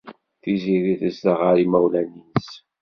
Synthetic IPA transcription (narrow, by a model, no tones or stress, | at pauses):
θiziɾiθəsd̪əʁaɾimæwlænis